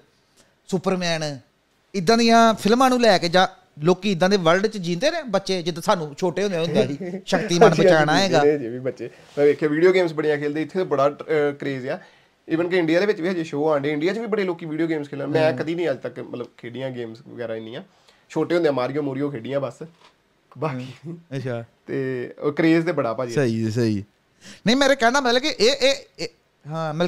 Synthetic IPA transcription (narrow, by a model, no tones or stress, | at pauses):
sʊpəɾmɛːn | ɪd̪ːãːd̪ijãːpʰɪlmãːnũːlɛːked͡ʒãː | loːkiːɪd̪ːãːd̪eːʋəlɖt͡ʃd͡ʒĩːnd̪eːnẽːbətːʃeːd͡ʒɪt̪ːsaːnũːt͡ʃʰoːʈeːɦõnd̪jaːɦʊnd̪eːɦiːʃəkt̪iːmənət͡ʃaːnaːeːɡaːiːbətːʃeː | eːkʰːeʋiːɖijoːɡeːmsbəɽijãːkʰeːld̪eːɪt̪ʰːeːt̪oːbəɽaːkɾeːzjaː | ɪʋənkɪɪ̃ɳɖɪjaːd̪eːʋɪt͡ʃʋiːɦad͡ʒeʃoːãːɳɖeːɪɳɖɪijaːt͡ʃʋiːbəɽeːloːkiːʋiːɖijoːɡeːmskʰeːlãːmɛ̃ːkəd̪iːnĩːəd͡ʒt̪əkmə̰t̪ləbkʰeːɖɪjãːɡeːmsʋəɡɛːɾãːɪnd̪ijãː | t͡ʃʰoːʈeːɦond̪eãːmaːɾijõːmoːɾijoːkʰeːɖɪjãːbəs | baːkiː | t̪eːkəɾeːzt̪eːbəɽaːpaːd͡ʒiːisi | nəĩmeːɾeːkɛːnaːmət̪ləkiʔeːʔeː | ɦãːməl